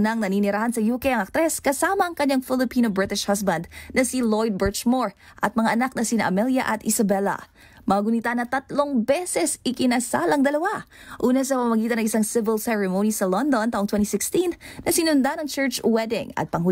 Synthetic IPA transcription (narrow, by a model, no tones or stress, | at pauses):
nɐŋnɐniːnɪɾahɐnsɐjuːkɛjʔɐŋɐk̚t̪ɾɛskɐsaːmɐʔɐŋkɐɲaŋfɪlɪpiːnobɹɪt̪ɪʃhas̬bɐnd̪̚nɐsilojd̪̚bɛɹt͡ʃmoɹ | ʔɐt̪̚mɐŋaʔɐnak̚nɐsinɐ̰ʔɐmɛljɐ̰ʔɐt̪ʔɪsɐbɛlɐ̰ | mɐɐɡʊnit̪anɐt̪ɐt̪loŋbɛsɛsɪkɪnɐsa̰lɐŋd̪ɐlɐwaʔuːnɐsɐpɐmɐmɐɡiːt̪ɐnɐŋʔɪsaŋsɪvɪlsɛɹɛmownisɐlond̪o̞nt̪aʔoŋt̪wɛnt̪isɪkst̪innɐsɪnʊnd̪anɐŋt͡ʃɛɹt͡ʃwɛd̪ɪ̰ŋɐ̰t̪̚pɐŋɦʊ